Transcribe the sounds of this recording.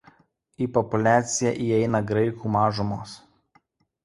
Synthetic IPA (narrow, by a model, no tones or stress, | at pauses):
iːpɔpʊlʲæːt̪sʲɪjɛˑʔiːɛɪnɐɡɾɐɪkuːmɑːʒʊmoːs